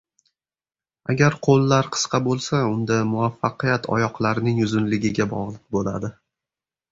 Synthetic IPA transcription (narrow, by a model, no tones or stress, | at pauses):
a̰ɡʲaɾqʰolːaɾqʰɨ̥sqʰɑbolˠsaʊnd̪amʊafːaqɨjat̪ʰɒ̰jɒqlˠaɾnɪŋʊzʊnlɪɡʲɪɡʲabɒ̰ʁlˠɨq̚bola̰d̪ɪ